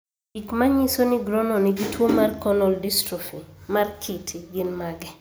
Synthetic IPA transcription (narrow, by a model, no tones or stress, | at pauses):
ikmaɲisoniɡɾɔnɔniɡitwomarkɔnɔldistɾufimarkʰitʰiɡɪnmaɡɛ